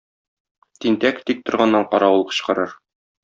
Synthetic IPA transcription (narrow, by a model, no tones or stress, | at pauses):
t̪int̪ækt̪ik̚t̪ŏɾʁɑnːɑɴqɒɾɑwulˠqɤ̥̆ɕqɤ̆ɾɤɾ